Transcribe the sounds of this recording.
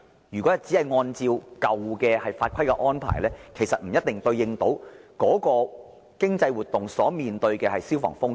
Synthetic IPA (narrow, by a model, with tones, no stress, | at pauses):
jyː˨˩kʷɔ˨˥ɐ˨t͡si˨˥hɐ˨jŋɔː˧nt͡siː˧wkɐ˨wkɛː˧hɐ˨jfaː˧t̚kʷʰɐ˥jkɛ˧ʔɔː˥npʰa̰ː˨˩jlɛː˥kʰe˨˩jsɐ˨t̚m̩˨˩jɐ˥t̚t̪ɪ˨˩ŋt̪ɵ˧ɥjɪ˧ŋt̪o˨˥wkɔː˨˥kɔː˧ | kɪ˥ŋt͡sɐ˧jwu˨t̪ʊ˨ŋsɔː˨˥miː˨nt̪ɵ˧ɥkɛː˧hɐ˨jsiː˥wfɔ̰ː˨˩ŋfʊ˥ŋ